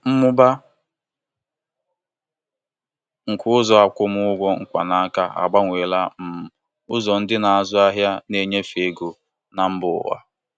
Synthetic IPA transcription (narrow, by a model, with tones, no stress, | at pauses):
m̩˦mʊ˦ba˦ | ŋ̩˨kʰʊ˦ʊ˦zɔ˨a˨kʷʊ˦mʊ˦ʊ˦ɡʷɔ˦ŋ̩˦˨kʷa˨na˨˦ka˦a̰˨ɡ͡ba˦ŋʷeː˨la˦m̩˨m˨ | ʊ˦zɔ˨n̩˦dɪ˦na˨a˨zʊ˦a˦ɦja˦ne˦ɲe˦fe˨ɡo˨ | na˨m̩˦bʊ̰˨wa̰˦